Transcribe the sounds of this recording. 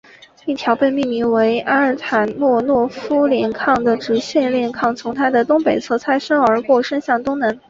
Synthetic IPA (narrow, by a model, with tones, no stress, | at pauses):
i˥˩t̪ʰjɑ˧˥ʊpe˥˧ɪmi˥˩mi˧˥ŋwe˧˥ɪʔa˥ə˞˥˩t̪ʰa˨˩nmwɔ˥˧nwɔ˥˩fu˥ljɛ˧˥nkʰɑ˥˩ŋd̪ə˩ʈ͡ʂɻ̩˧˥ɕɥɛ˥˧nljɛ˥˧nkʰɑ˥˩ŋt͡sʰʊ˧˥ŋt̪ʰa˥d̪ə˨t̪ʊ˥ŋpe˨˩ɪt͡sʰɤ˥˩t͡sʰa˥ɪʂɤ˥ŋə˞˧˥kwɔ˥˩ʂə˥nɕjɑ˥˩ŋt̪ʊ˥ŋnə˧˥n